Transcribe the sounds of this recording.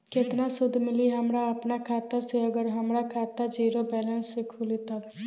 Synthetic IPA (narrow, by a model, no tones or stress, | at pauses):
kɪt̪nasʊd̪ʱːmɪliɦəmɾaɐpnakʰaːt̪əseɐɡəɾɦɐmɾakʰaːt̪ad͡ʒiːɾobɛːlə̃nsːekʰulit̪a